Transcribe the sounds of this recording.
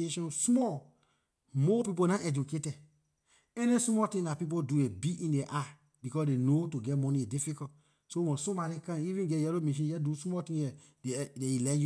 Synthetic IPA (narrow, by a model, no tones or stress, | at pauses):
eʃɔ̃nsmɔl | mɔpip̬onãʔɛd͡ʒuketɛd | ɛnismɔtĩlapip̬oduebiĩndeʔa | bikɔsdenotuɡɛtmɔnĩdifikɔt | sowɔ̃somaɾikãivĩnɡɛjɛlomiʃ̬ĩnjɛdusmɔtĩjɛ | deeilɛ̃nju